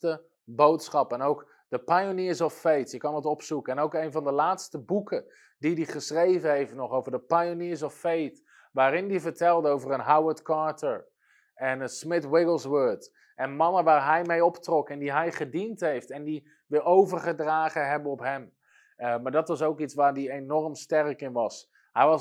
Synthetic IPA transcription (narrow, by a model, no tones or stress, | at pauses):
tə | bowtsχɑpɛnowk | d̥əpajoniːɹsɔfːejtjəkɑndɑtɔpsukəɛnowkejnvɑndəlaːtstəbukʰə | didiχəsrejvəɦejftnɔχowvəɹdəpajoniːɹsɔfːejt | ʋaːɾɪndivəɹtɛlˠdəowvərənɦawəɹtkɑɹtəɹ | ɛnəsmɪtwɪɡl̩ˠswəɹt | ʔɛnmɑnəʋaːɹɦɛjmejɔptrɔkɛndiɦɛjχədintɦejftɛndi | ʋɪowvəɹχədraːχəɦɛbənɔpɦɛm | maːɹdɑtʋɑsowkitsʋaːɹdienɔrmstɛrkɪnʋɑs | hɛjɑ